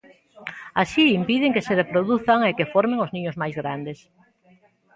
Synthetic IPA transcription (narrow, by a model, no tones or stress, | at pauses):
asiimpiðɪŋkeserepɾoðuθaŋekefɔɾmẽŋoznĩɲʊzmajzɣɾand̪es